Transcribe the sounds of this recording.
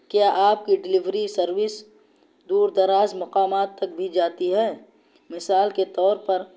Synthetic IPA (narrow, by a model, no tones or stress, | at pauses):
kjaːʔaːp̚kiɖɪlɪʋɾisɐɾwɪs | d̪uːɾd̪ɐɾaːzmɐqaːmaːt̪ːɐk̚bʱid͡ʒaːt̪iɦɛː | mɪsaːlket̪ɔːɾpɐɾ